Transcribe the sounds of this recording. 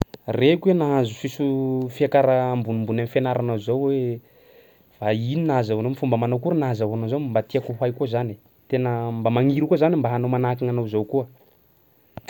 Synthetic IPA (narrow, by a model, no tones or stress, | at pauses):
rekwenaɦãzusisufiakaɾaːmbunimbunamifenaɾanazowwe | v̥aininazawanomifumbəmanowkuɾənazawanowzowmmbat̪iakuɦajkuzani | t̪enəmbamaŋiɾukuazanimbaɦanowmanakaŋanowzowkuə